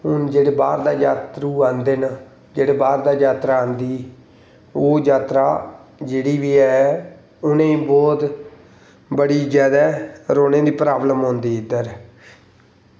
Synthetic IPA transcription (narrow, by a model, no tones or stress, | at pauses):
ɦʊnd͡ʒeːɽeːbaːɾd̪aːd͡ʒaːt̪ɾuːãːnd̪eːna | d͡ʒeːɽeːbaːɾd̪aːd͡ʒaːt̪ɾaːãːnd̪iː | oːd͡ʒaːt̪ɾaːd͡ʒeːɽiːʋiːɛː | ʊnẽːĩːbɔːt̪ | bəɽiːd͡ʒjaːd̪ɛːɾoːnẽːd̪iːpɾaːbləmɦõːnd̪iːɪd̪əɾ